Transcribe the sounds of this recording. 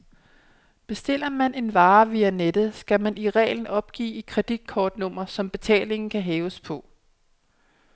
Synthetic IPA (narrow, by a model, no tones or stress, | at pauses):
b̥e̝sd̥e̝l̰ɐmæne̝nʋɑ̈ːʋiæned̥ð̩ˠsɡ̥æmæniʁɛ̰ːln̩ɒ̽b̥̚ɡ̥ḭːikʰʁɛd̥id̥̚kʰɒːd̥nɔ̽m̰ɐsɒ̽mb̥e̝t͡sʰɛ̰ːle̝ŋn̩kʰæɦɛːʊəspʰɒ̽